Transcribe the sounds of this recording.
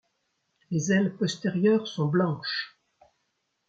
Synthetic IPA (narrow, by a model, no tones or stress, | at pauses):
lezɛlpɔst̪eʁjœʁsɔ̃blɑ̃ʃ